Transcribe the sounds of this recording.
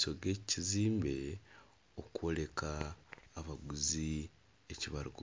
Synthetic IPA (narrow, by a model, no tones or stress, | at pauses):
so̞ɡe̞ːciziːmbe̞ | okuwo̞le̞kaː | βaɡuzi | eciβaɾuɡu